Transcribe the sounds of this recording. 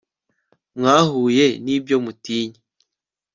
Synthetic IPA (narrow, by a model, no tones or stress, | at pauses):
mŋaːhuːje̞nibjo̞mutiːɲi